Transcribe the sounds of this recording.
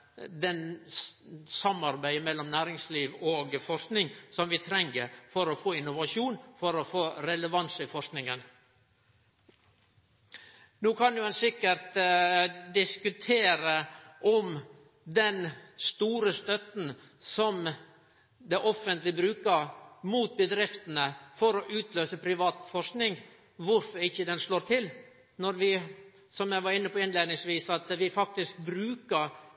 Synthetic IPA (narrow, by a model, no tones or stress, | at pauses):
d̪ɛn | sɑmɑɾbæɪmɛlːɔmnæːɾɪŋsliːʋɔoːɡfɔʂknɪŋsɔmʋɪt̪ʰɾɛŋːəɾfɔɾɔfoːɪnːʊʋɑʂuːnfɔɾɔfoːɾɛləʋɑnsɪfɔʂknɪŋən | nuːkʰɑnjʊɛnsɪkːəɾt̪ | d̪ɪskʉt̪ʰeːɾəʔɔm | d̪ɛnst̪uːɾəst̪œt̪n̩ | sɔm | d̪ɛʔɔfːənt̪lɪbɾʉːkəɾmuːt̪̚bəd̪ɾɪft̪ənəfɔɾɔʔʉːt̪løːsəpʰɾɪʋɑːt̪fɔʂknɪŋ | ʋʊɾfɔɾɪçːəd̪ɛnʂɭoːɾt̪ʰɪl | nɔɾʋɪ | sɔmjæɪʋɑɾɪnːəpʰɔɪnleɪd̪nɪŋsʋiːsɑt̪ʋɪfɑk̚t̪ɪsk̚bɾʉːkəɾ